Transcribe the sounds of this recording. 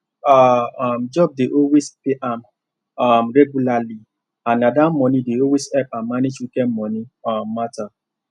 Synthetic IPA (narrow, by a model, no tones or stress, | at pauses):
am̩d͡ʒɔb̚deʔowezpeʔam | ɔm̩ɾɛɡulali | annadam̩mɔnideowezɛpamaned͡ʒukem̩mɔniɔm̩mata